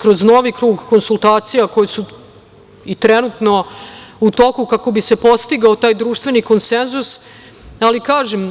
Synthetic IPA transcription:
kɾo̞zno̞ʋikɾuːɡko̞nsulˠt̪aːt̪sijako̞jesu | it̪ɾɛnut̪no̞ut̪o̞kukako̞bise̞po̞st̪iɡaot̪aːjd̪ɾuːʃt̪ʋe̞niko̞nsenzus | alikaːʒem

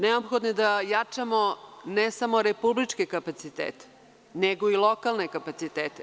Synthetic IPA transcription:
neopxod̪nid̪ajat͡ʂamonesamoɾepublit͡ʂkekapat̪sit̪ḛːt̪e̥ | neɡoilˠokalˠnekapat̪sit̪eːt̪e

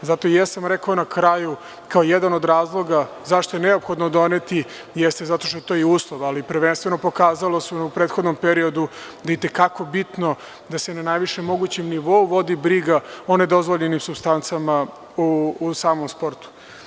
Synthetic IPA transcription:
zat̪ojasamɾekaonakɾaju | kaojed̪ano̞d̪ɾaːzlˠo̞ɡa | zaʃt̪ojeneo̞pxo̞d̪nod̪o̞net̪i | jest̪ezat̪o̞ʃt̪oet̪o̞iuːslˠoʋalipɾʋenst̪ʋe̞no̞po̞kaːzalosuupɾet̪xo̞d̪nompeɾio̞d̪ud̪aeit̪e̞kako̞bit̪no̞ | d̪asenanajʋiʃemːo̞ɡut͡ɕemniʋo̞uʋo̞d̪ibɾiɡao̞ne̞d̪o̞zʋoʎenimsubst̪ant̪sama | uːsaːmomspo̞ɾt̪u̥

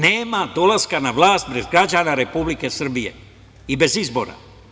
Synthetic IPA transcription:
neːmad̪o̞laskanaʋlaːst̪̚bɾezɡɾad͡ʒaːnaɾe̞publike̞sr̩bije̞̰ | ibe̞zizbo̞̰ɾa̰

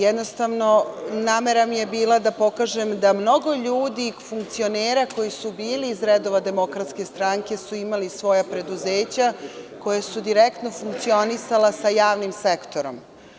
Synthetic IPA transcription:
jed̪no̞st̪aʋno̞naːme̞ɾamijebiːlad̪apo̞kaːʒemd̪amno̞ɡo̞ʎuːd̪ifuŋk̚t̪sio̞neːɾako̞jisubiːliːzɾed̪o̞ʋad̪e̞mo̞kɾat̪ske̞st̪ɾaŋke̞suimalisʋo̞japɾe̞d̪uzeːt͡ɕako̞jasud̪iɾekt̪no̞fuŋkt̪sio̞nisalasajaːʋnimse̞kt̪o̞ɾo̞̰m

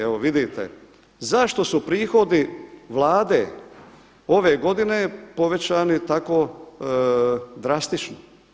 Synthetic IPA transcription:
eoʋid̪it̪ḛ | zaʃt̪o̞supɾiːxo̞d̪iʋlˠaːd̪e | o̞ʋe̞ːɡo̞d̪inepo̞ʋe̞t͡ɕaːnit̪ako̞ː | d̪ɾast̪it͡ʃno

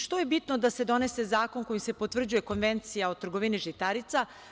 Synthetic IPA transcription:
ʃt̪o̞je̞bit̪nod̪ase̞d̪o̞ne̞se̞zaːko̞nko̞jisepo̞t̪r̩d͡ʑuje̞ko̞nʋe̞nt̪sijaot̪r̩ɡoʋiniʒit̪aɾit̪sa

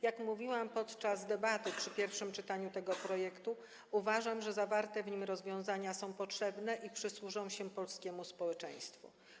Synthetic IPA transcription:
jakmuvʲiwampɔt̪t͡ʂazd̪ɛbat̪ɘpʂɘpʲjɛɾfʂɘmt͡ʂɘt̪aɲut̪ɛɡɔpɾɔjɛkt̪u | uvaʐamʐɛzavaɾt̪ɛvɲimɾɔzvʲjɔ̃w̃zaɲasɔ̃w̃pɔtʂɛbnɛʔipʂɘswuʐɔ̃w̃ɕɛpɔlskʲɛmuspɔwɛt͡ʂɛj̃st̪fṵ

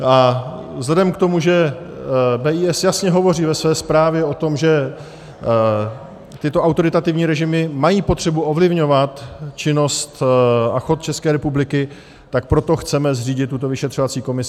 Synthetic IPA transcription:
a | zlɛdɛmkt̪o̞muʒɛ | bɛːʔiːɛsjasɲɛɦo̞vo̞riːvɛsvɛːspɾaːvjɛo̞t̪o̞mʒɛ | t̪ɪt̪o̞ʔawt̪o̞ɾɪt̪at̪ɪvɲiːɾɛʒɪmɪmajiːpo̞t̪r̝̥ɛbuʔo̞vlɪvɲo̞vat̪t͡ʃɪno̞st̪axo̞t̪̚t͡ʃɛskɛːɾɛpublɪkɪ | t̪ak̚pɾo̞t̪o̞xt͡sɛmɛzriːɟɪt̪ːut̪o̞vɪʃɛt̪r̝ovat͡siːko̞mɪs

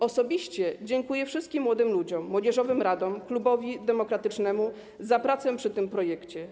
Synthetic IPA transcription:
ɔsɔbʲiɕt͡ɕɛd͡ʑɛŋkujɛfʂɘst̪̚kʲimːwɔd̪ɘmlud͡ʑɔmːwɔd͡ʑɛʐɔvɘmɾad̪ɔmklubɔvʲid̪ɛmɔkɾat̪ɘt͡ʂnɛmu | zapɾat̪sɛpʂɘt̪ɘmpɾɔjɛkt͡ɕɛ

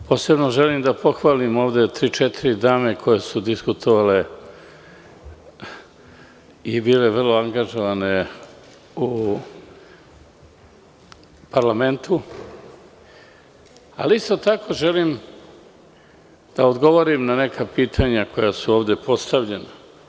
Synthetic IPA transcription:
pʰo̞ːse̞bnoʒelimd̪apʰo̞xʋaːlimo̞ːʋd̪e̞t̪ɾiːt͡ʃet̪ʰiɾid̪aːme̞kʰo̞je̞sud̪iskut̪ʰoʋale̞ | ibiːle̞ʋr̩loaŋɡaʒo̞ʋane̞ | u | paɾlame̞nt̪u | a̰liist̪o̞t̪akʰo̞ʒe̞lim | d̪̥aod̪ɡo̞ʋoɾimnane̞kʰapiːt̪ʰaɲako̞jasuoːʋd̪e̞pʰo̞st̪aʋʎe̞na

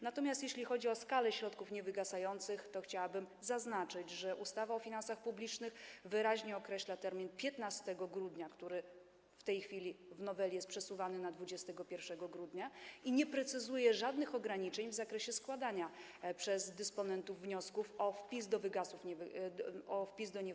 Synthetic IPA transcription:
nat̪ɔmʲjast̪jeɕlʲixɔd͡ʑiɔskalɛɕɾɔt̪kufɲɛvɘɡasajɔnt̪sɘxt̪ɔxt͡ɕawabɘmzaznat͡ʂɘd͡ʑʐɛʔust̪avaɔfʲinansaxpublʲit͡ʂnɘxvɘɾaʑɲɛɔkɾɛɕlat̪ɛɾmʲinpʲjɛt̪nast̪ɛɡɔɡɾud̪ɲakt̪uɾɘ | ft̪ɛjxfʲilʲivnɔvɛlʲijɛst̪pʂɛsuvanɘnad̪vud͡ʑɛst̪ɛɡɔpʲjɛɾfʂɛɡɔɡɾud̪ɲaiɲɛpɾɛt̪sɘzujɛʐad̪nɘxɔɡɾaɲit͡ʂɛɲvzakɾɛɕɛskwad̪aɲa | pʂɛzd̪ɛspɔnɛnt̪uvːɲɔskufɔfpʲizd̪ɔvɘɡasufɲɛv | ɔfpʲizd̪ɔɲɛ

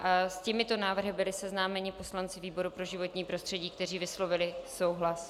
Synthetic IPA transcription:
ʔascɪmɪt̪o̞naːvr̩ɦɪbɪlɪsɛznaːmɛɲɪpo̞slant͡sɪviːbo̞ɾupɾo̞ʒɪvo̞t̪ɲiːpɾo̞st̪r̥ɛɟiːkt̪ɛriːvɪslo̞vɪlɪso̞wɦlas

